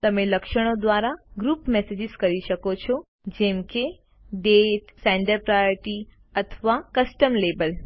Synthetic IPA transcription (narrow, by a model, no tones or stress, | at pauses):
t̪ɐmẽlɐkʃəɽ̃od̪ʋaːɾaɡɾuːpmesed͡ʒɪzkɐɾiʃəkot͡ʃʰo | d͡ʒẽmke | ɖeʈsɛ̃ɳɖəɾpɾajoɾʈi | ɐt̪ʰʋakəsʈəmleːbəl